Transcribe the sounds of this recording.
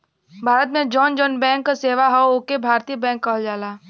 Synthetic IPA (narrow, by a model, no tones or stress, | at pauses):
bʱaːɾət̪mẽd͡ʒɔːnd͡ʒɔːnbɛ̃ːŋkːaseːʋaɦoooːkebʱaːɾt̪iːəbɛ̃ːŋkːəɦld͡ʒaːlaː